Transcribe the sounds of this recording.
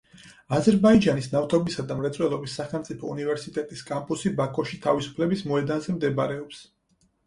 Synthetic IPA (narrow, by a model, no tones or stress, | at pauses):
azɛɾbaid͡ʒanisnaft̪ʰɔbisad̪amɾɛt̪sʼwɛlˠɔbisːaχɛlˠmt̪sʼipʰɔunivɛɾsit̪ʼɛt̪ʼiskʼampʼusibakʰʼɔʃit̪ʰavisu̥pʰlɛbismɔɛd̪anzɛmd̪ɛbaɾɛɔps